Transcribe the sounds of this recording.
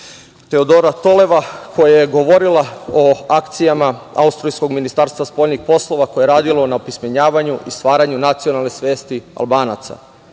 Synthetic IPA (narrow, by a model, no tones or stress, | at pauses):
t̪e̞od̪o̞ːɾat̪o̞le̞ʋakʰo̞jajeɡo̞ʋo̞ɾilaoakt̪sijamaa̰ust̪ɾojsko̞ɡminist̪aːɾst̪ʋaspo̞lnixpo̞slˠo̞ʋako̞jeɾaːd̪ilˠo̞naopismeɲaːʋaɲuʔist̪ʋaːɾaɲunat̪sio̞nalˠne̞sʋje̞ːst̪ia̰lˠbaːna̰t̪sa̰